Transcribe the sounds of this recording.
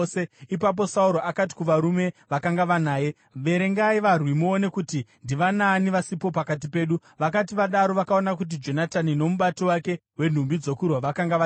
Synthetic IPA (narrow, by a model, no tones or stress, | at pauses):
eipap̬o̞sauɾoʔakati̥kuʋaɾume̞ʋakaŋɡaʋanaːje | ʋe̞ɾe̞ŋɡaiʋarwimuone̞kutindiʋanaːniʋasipo̞pakat̬ipe̞ːɗu | ʋakatiʋaɗaɾo̞ʋakaonak̬ut̬id͡ʒo̞natanino̞muɓatiwake̞ɦwe̞n̤umbid͡zo̞kurwaʋakaŋɡaʋ